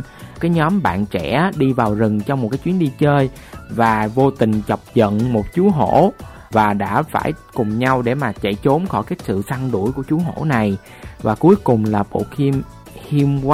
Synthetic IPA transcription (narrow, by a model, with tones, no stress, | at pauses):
kaː˨˦jɲɔ˨˦mɓa̰ː˧˨nt͡ɕɛ̰˧˩˥ɗi˧vaː˨˩wzɨ˨˩ŋt͡ɕɔ˧wŋ͡mo˨˩t̚kaː˨˦jt͡ɕwi˨˦ənɗi˧t͡ɕəː˧j | vaː˨˩vo˧t̪ï˨˩ŋ̟t͡ɕə˨˩wp̚zə̰˧˨nmo˨˩t̚t͡ɕu˨˦əɦo̰˧˥ | vaː˨˩ɗa̰ː˧˥fa̰ː˧˩jkʊ˨˩ŋ͡mɲa˧wɗe˧˩maː˨˩t͡ɕə̰˧˨jt͡ɕo˨˦mxɔ˧˩jkaː˨˦jsɨ̰˧˨sa˧ŋɗṵ˧˩jku˧˩ət͡ɕu˨˦ɦo̰˧˥na˨˩j | vaː˨˩ku˨˦əjkʊ˨˩ŋ͡mlaː˨˩ɓo̰˧˨i˧m | hi˧mwa˦